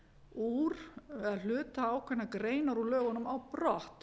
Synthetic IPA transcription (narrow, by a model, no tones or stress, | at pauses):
uɾ̥ɛðal̥ʏːt̪aaːwkʰvɛnakɾeːjnaɾulœːɣʏnʏmawpɾɔht̪